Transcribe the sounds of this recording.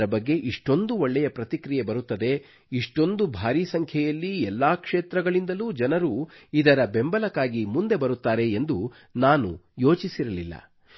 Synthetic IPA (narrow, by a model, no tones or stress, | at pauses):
ɾɐbɐɡːe̞ʔiʂʈo̞nd̪uoɭːɛjɐpɾɐt̪ikɾijebɐɾut̪ːɐd̪e̞ | iʂʈo̞nd̪ubʱaːɾiːsɐŋkʰjɛjɐlːiɛlːaːkʂeːt̪ɾɐɡɐɭind̪ɐluːd͡ʒɐnɐɾuːid̪ɐɾɐbe̞mbɐlɐkːaːɡimund̪e̞bɐɾut̪ːaːɾe̞ːnd̪u | naːnṵjo̞ːt͡ʃisiɾɐlilːɐ̰